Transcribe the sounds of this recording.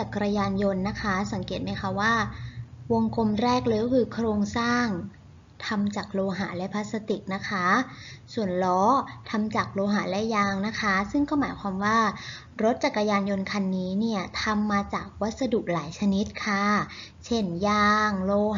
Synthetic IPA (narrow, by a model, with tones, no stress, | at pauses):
t͡ɕa˨˩kːɾa˧jaː˧njo˧nːa˦˥kʰa˦˥sa˩˦ŋkeː˨˩t̪̚ma˦˥jkʰa˦˥waː˥˩wo˧ŋko˧mɾɛː˥˩k̚loː˧jkɔː˥kʰɯː˧kʰɾoː˧ŋsaː˥˩ŋ | t̪ʰa˧mt͡ɕaː˨˩k̚loː˧ɦa̰ː˩˦lɛ˦˥pʰaː˦˥t̪̚sa˧t̪i˨˩k̚na˦˥kʰa˦˥su˨˩ənlɔː˦˥t̪ʰa˧mt͡ɕaː˨˩k̚loː˧ɦaː˨˩˦lɛ˦˥jaː˧ŋna˦˥kʰa˦˥sɯ˥˩ŋkɔː˥˩maː˩˦jkʰwaː˧mwaː˥˩ | ɾo˦˥t̪̚t͡ɕa˨˩kːɾa˧jaː˧njo˧nkʰa˧nːiː˦˥ni˥˩ɐt̪ʰa˧mːaː˧t͡ɕaː˨˩k̚wa˦˥t̪̚sa˧du˨˩k̚laː˩˦jt͡ɕʰa˧ni˦˥t̪̚kʰa˥˩ | t͡ɕʰe˥˩njaː˧ŋloː˧